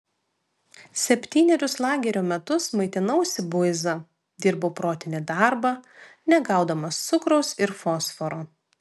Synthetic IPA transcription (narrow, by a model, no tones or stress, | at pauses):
sʲɛpʲt̪ʲiːnʲɛɾʲʊslˠɑːɡʲɛɾʲoːmʲɛt̪ʊsmɐɪt̪ʲɪnɐʊsʲɪbʊzɐ | d̪ʲɪɾboːpɾoːt̪ʲɪnʲɪd̪ɑˑɾbɐ | nʲɛɡɑˑʊd̪ɐmɐst̪sʊkɾɐʊsɪɾfoːsfɔɾoː